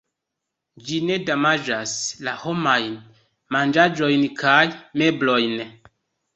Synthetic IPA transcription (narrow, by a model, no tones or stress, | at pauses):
d͡ʒine̞damad͡ʒaslaho̞majn | mand͡ʒad͡ʒo̞jnkʰajme̞blo̞jn